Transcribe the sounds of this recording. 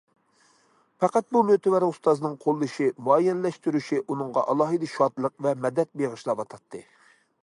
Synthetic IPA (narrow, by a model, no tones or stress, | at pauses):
pɑqɑt̪̚bumøt̪ɪwæɾust̪ɑznɨŋqʰolˠːɨʃimuɑjɛnlɛʃt̪yɾyʃiʔunɨŋʁɑ̰ʔɑlˠɑɦɨd̪ɨʃɑt̪lˠəq̚vɛmɛd̪ɛt̪̚beʁəʃlˠɑwɑt̪ʰɑt̪ʰːɨ